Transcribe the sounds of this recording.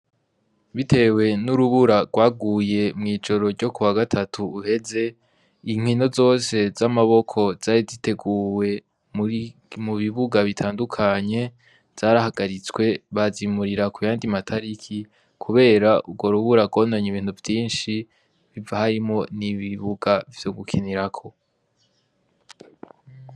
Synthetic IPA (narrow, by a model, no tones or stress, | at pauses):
βitʰe̞we̞nuɾuβuɾaɡ̥waːɡuːje̞mŋiːd͡ʒo̞ɾo̞ɾɟo̞kuwaɡatʰatʰuːhe̞ze̞ | iŋ̥hino̞zo̞ːse̞zamaβo̞kʰo̞z̥aːɾizite̞ɡuːwe̞ | mmuβiβuɡaβitʰaːndukʰaɲe̞ | z̥aːɾahaɡaɾit͡swe̞βazimuɾiɾakujaːndimatʰaɾikʰi | kʰuβe̞ːɾaub̚ɡwo̞ɾuβuɾaɡo̞ːndaɲiβiːn̥uvjiːnʃi | βivahaɾimŋo̞niβiβuɡav̥joɡukʰiniɾakʰo̞